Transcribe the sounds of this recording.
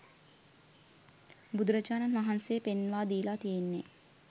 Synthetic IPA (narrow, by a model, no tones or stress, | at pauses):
bud̪uɾəd͡ʒaːɾanʋaɦansejəpenʋaːd̪iːlat̪ijenːe